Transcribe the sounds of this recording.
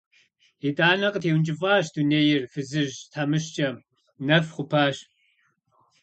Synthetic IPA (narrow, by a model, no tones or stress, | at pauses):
etʼaːnɐqətʰeːwnt͡ʃʼɪfʼaːɕduneːjɪrfɨzɨʒtʰamɨʃt͡ʃʼɐm | nɐfχʷʊpʰaːɕ